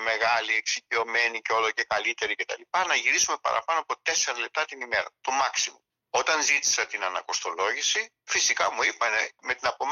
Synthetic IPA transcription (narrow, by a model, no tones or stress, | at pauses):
me̞ɣɐlieksicio̞me̞niceo̞loce̞kɐlit̪e̞ɾice̞t̪ɐ̰lipɐnɐʝiɾisume̞pɐ̰ɾɐ̰pɐnoɐpo̞t̪e̞seɾɐle̞p̚t̪ɐt̪inime̞ɾɐ̰t̪o̞mɐksimo | o̞t̪ɐnzit̪i̥sɐt̪inɐnɐko̞st̪o̞lo̞ʝisi | fisikɐmuipɐne̞me̞t̪inɐpo̞m